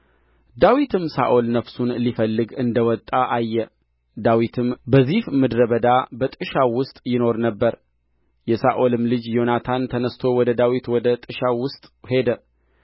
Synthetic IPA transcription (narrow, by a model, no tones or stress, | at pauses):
d̪awit̪ʰɨmsa̰ʔo̞lnəfsunlifəlːɨɡɨnd̪əwɔt̪ʼːaʔajːɛ | d̪awit̪ʰɨmbəzihmɨd̪ɾəβəd̪abət̪ʼɨʃawʊst̪ʼjɪno̞ɾnəbːəɾ | jɛsaʔo̞lɨmlɨd͡ʒjo̞nat̪ʰant̪ʰənəst̪ʰo̞wɔd̪əd̪awit̪wɔd̪ət̪ʼɨʃawʊst̪ʼhe̞d̪ə